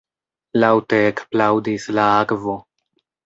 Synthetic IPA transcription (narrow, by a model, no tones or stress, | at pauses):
lawte̞ːkplawdislaakvo̞